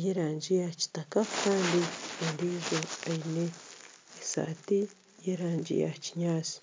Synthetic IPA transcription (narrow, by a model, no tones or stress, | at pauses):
jeɾand͡ʒiat͡ʃi̥t̪akakandiendiʒoajneesa̰t̪i | jeɾand͡ʒḭa̰t͡ʃi̥ɲasi̥